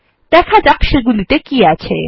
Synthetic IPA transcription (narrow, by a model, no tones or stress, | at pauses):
t̪ɛkʰad͡ʒakʃeɡulit̪ekiat͡ʃʰḛ